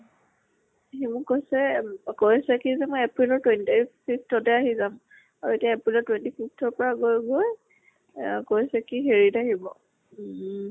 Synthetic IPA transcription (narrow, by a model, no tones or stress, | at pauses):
ɦimʊkojsɛkojsɛkizɛmɔjɛpɹilɔɹtwɛntipʰiftɔtɛaɦizam | aɹetiaɛpɹilɔtwɛntipʰiftɔɹpɔɹaɡojɡoj | kojsɛkixeɹitaɦibɔ